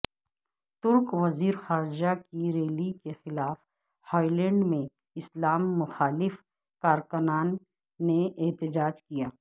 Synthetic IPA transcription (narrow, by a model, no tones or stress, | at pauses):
t̪ʊɾkʋɐziːɾxaːɾd͡ʒakiɾeːlikexɪlaːf | hɔːilɛ̃ɳɖmẽ | ɪslaːmːʊxaːlɪf | kaːɾkʊnaːnː | eɪɦt̪ɪd͡ʒaːd͡ʒkijaː